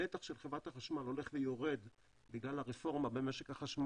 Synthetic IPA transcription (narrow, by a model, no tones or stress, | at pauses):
et̪aχʃelχevʁat̪haχaʃmalo̞le̞χvejo̞ʁe̞d̪ | biɡlalaʁefo̞ʁmabemeʃekaχaʃm